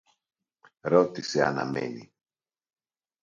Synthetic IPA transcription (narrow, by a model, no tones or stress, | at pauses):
ɾot̪isea̰na̰melḭ